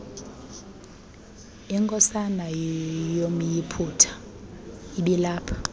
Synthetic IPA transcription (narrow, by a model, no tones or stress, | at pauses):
iŋkʼɔsanajom̩jipʰutʰḁ | iɓilaːpʰḁ